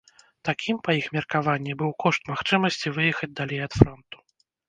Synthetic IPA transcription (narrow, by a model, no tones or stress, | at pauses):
t̪akʲʰimpɐjixmʲɛrkavanʲːɛbɨwkɔʂt̪maxt͡ʂɨmɐsʲt͡sʲivɨjɛxɐd͡zʲd̪alʲɛjɐt̪fɾɔnt̪u̥